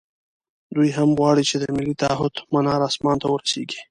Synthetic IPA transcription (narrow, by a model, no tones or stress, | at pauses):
d̪ujɦamɣwɑɽit͡ʃed̪əmɪlːit̪aɦʊd̪manɑɾɑsmɑnt̪awəɾaseɡi̥